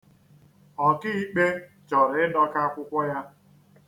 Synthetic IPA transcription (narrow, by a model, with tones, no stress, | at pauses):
ɔ˨kɪ˦i˦k͡pe˦ | t͡ʃɔ˨ɾɪ˦dɔ˦ka˦kʷʊ˦kʷɔ˦ja˦